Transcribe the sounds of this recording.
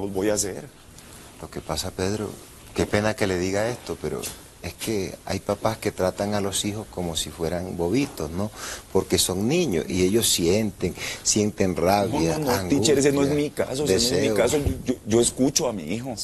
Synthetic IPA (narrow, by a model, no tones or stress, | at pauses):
obojaseɾ | lo̞ke̞pasape̞ðɾo̞̰ | ke̞pe̞nake̞le̞ðiɣae̞st̪o̞pe̞ɾo̰ | e̞ske̞a̰jpapaske̞t̪ɾat̪aŋalo̞sixo̞sko̞mo̞sifwe̞ɾaŋbo̞βit̪o̞sno̞po̞ɾke̞so̞ŋnĩɲo̞̰sḭe̞ʝo̞sje̞nt̪e̞ŋsje̞nt̪e̞ŋraβjanaŋɡ̪iueɾes̬enoemikasod̪enoesemiokasoooʝoeskut͡ʃoamiixo